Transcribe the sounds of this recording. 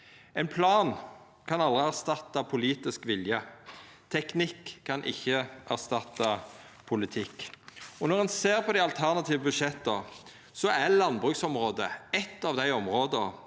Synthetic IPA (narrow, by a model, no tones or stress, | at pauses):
ɛɪnpʰlɑːn | kʰɑnɑlʁɪæʁst̪ɑt̪ːɑpʰʊliːt̪ɪskʋɪljət̪ʰɛknɪkʰːɑnʔɪ̰çːəʔæʁst̪ɑt̪ːɑpʰʊlɪt̪ʰɪkːɔnɔʁɛnseːʁpʰɔd̪æɑlt̪ʰæʁnɑt̪ʰiːʋəbʉʃɛt̪ːə | sɔælɑnbʁʉːksɔmʁoːd̪əɛt̪ːɑːʋd̪æɪɔmʁoːd̪ə